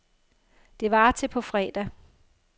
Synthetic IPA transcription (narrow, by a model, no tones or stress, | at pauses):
d̥e̝ʋɑ̈t͡sʰe̝pʰɒ̽fʁɛːd̥æ